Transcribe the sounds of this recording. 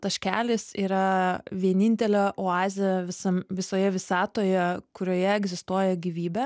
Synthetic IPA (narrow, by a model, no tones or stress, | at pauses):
t̪ɐʃʲkʲæːlʲɪsḭːɾɐʋʲiɛnʲinʲt̪ʲɛlʲɛʔoɑːzʲɪjɛʋʲɪsɐmʋʲɪsoːjɛʋʲɪsɑːt̪oːjɛkʊɾʲoːjɛɛɡzʲɪst̪uɔjɛɡʲiːʋʲiːbʲɛ